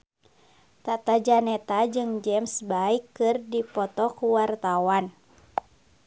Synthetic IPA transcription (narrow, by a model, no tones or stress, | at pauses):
t̪at̪ad͡ʒanɛt̪ad͡ʒɨŋd͡ʒɛmsbaikːɨrdipɔt̪ɔkuwart̪awan